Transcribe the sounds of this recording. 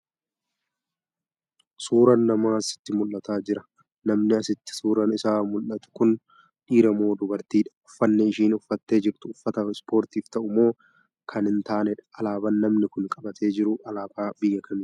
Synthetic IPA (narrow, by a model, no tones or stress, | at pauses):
suːɾɐnːɐmaːɐsɪ̥t̪ːɪmʊlːɐt̪aːd͡ʒɪɾɐ | nɐmnɪɐsɪt̪ːɪ̥suːɾɐnɪsaːmʊlːɐt̪ʊ̥kʊn | ᶑiːɾɐmo̞ːd̪ʊbɐɾt̪iːᶑɐ̥ʊfːɐnːɛɪʃiːnʊfːɐt̪ːe̞ːd͡ʒɪɾt̪ʊːfːɐt̪ɐɪspʰo̞ːɾt̪iːft̪ɐʔʊmo̞ː | kʰɐnɪnt̪aːnɛᶑɐlaːbɐnːɐmnɪkʊnkʼɐbɐt̪ʰe̞ːd͡ʒɪɾʊʔɐlaːbaːbɪjːɐkʰɐmɪ